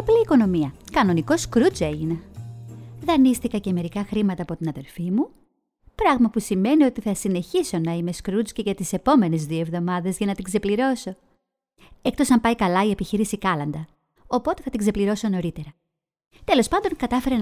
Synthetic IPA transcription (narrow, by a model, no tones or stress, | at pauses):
pliːko̞no̞miɐkɐno̞niko̞skɾut͡se̞ʝine | ðɐnist̪ikɐce̞me̞ɾikɐxɾimɐt̪ɐːpo̞t̪inɐðe̞lfimu | pɾɐɣmɐpusime̞nio̞t̪iθɐsine̞çiso̞nɐime̞skɾut͡sceʝɐt̪ise̞po̞me̞nezðioe̞vðo̞mɐðezʝɐnɐt̪ikse̞pliɾo̞so̞ | e̞k̚t̪o̞sɐmpɐjkɐlɐie̞piçiɾisikɐlɐnd̪ɐ | o̞po̞t̪eθɐt̪ikse̞pliɾo̞so̞no̞ɾit̪e̞ɾɐ | t̪e̞lo̞spɐnd̪o̞ŋkɐt̪ɐfe̞ɾe